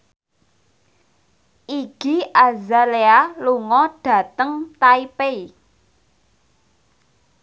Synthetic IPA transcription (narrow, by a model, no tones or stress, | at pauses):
ʔiɡ̥iazalealuŋɔɖ̥ä̤t̪əŋt̪aipei